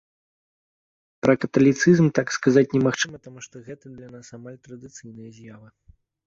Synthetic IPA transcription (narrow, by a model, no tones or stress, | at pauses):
pɾɐkɐt̪ɐlʲit̪sɨzmt̪akskazat͡sʲnʲɛmaxt͡ʂɨmɐt̪amuʂt̪ɔɣɛt̪ɐd̪lʲanasamalʲt̪ɾɐd̪ɨt̪sɨjnɨjɐzʲjavɨ